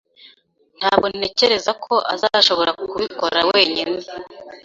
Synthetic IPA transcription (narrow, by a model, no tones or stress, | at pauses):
n̥haːβɡone̞ce̞ɾe̞zakʰo̞ʔa̰zaʃo̞βo̞ɾakuβiko̞ɾawe̞ːɲine